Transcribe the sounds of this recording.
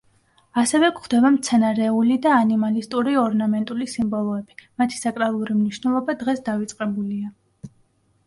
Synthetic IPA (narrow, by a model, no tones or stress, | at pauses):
asɛvɛkχd̪ɛvamt̪sʰɛnaɾɛulid̪aːnimalist̪ʼuɾiɔɾnamɛnt̪ʼulisimbɔlˠɔɛbimat̪ʰi̥sakʼɾalˠuɾimniʃnɛlˠɔbad̪ʁɛsd̪avit̪sʼqʼɛbulia